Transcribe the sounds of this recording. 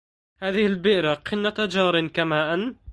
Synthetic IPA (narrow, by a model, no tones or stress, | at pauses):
haːðɪhɪlbɪʔɾaqʰɪnːat̪ad͡ʒɑːɾˤɪnkamaːʔan